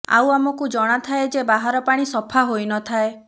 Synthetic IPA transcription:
a̰wamɔkud͡ʒɔɽ̃at̪ʰaed͡ʒebaɦaɾɔpaɽ̃isɔpʰaɦojnɔt̪ʰae

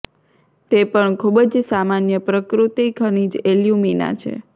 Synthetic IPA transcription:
t̪epəɳkʰubəd͡ʒsamanjəpɾəkɾut̪ikʰənid͡ʒeljumina̰t͡ʃʰḛ

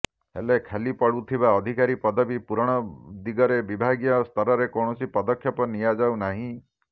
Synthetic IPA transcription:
hḛlekʰelipɔɽut̪ʰiβaɔd̪ʱikaɾipɔd̪ɔbipuɾɔɽ̃ɔd̪iɡɔɾebibʱaɡijɔst̪ʰɔɾɔɾekɔɳ̃ɔsipɔd̪ɔkʰjɔpɔnijad͡ʒawnaɦĩ

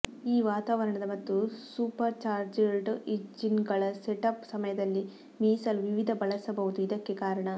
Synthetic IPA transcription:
iːʋaːt̪aːʋɐɾɐɳɐd̪ɐmɐt̪ːusuːpɐɾt͡ʃaːɾd͡ʒeɭɖiʈd͡ʒinɡɐɭɐseʈɐpsɐmɐjɐd̪ɐlːi | miːsɐlʋiʋid̪ʱɐbɐɭɐsɐbɐʋud̪uid̪ɐkːe̞kaːɾɐɳɐ

